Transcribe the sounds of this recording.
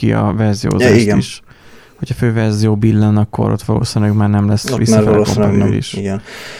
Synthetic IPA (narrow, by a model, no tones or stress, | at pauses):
iɒ̰vɛrzijo̰ːzaɡ̪iʃ | ho̞cʰhɒføːvɛrzijoːbilːɛnɒkːo̞̰ɾot̪ʋɒlo̰ːsinlɛɡmaːrnɛmlɛsvḭsːɒɛlɛko̰n̰ːlḭʃiɡɛn